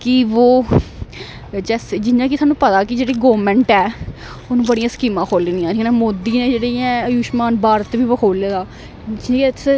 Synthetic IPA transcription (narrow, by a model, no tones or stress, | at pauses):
kɪʋoː | d͡ʒɛːsd͡ʒɪnãːk̬ɪt̪ʰaːnũːpət̪aːkɪd͡ʒeːɽiːɡoːmɛ̃ːɳʈɛː | ʊnũːbəɽijãːsə̥kiːmãːkʰoːliːnijãːɾiːnãːmoːd̪iːneːd͡ʒeːɽiːãːəjuːʃmaːnbaːɾət̪ʋiːʋəkʰoːleːd̪ãː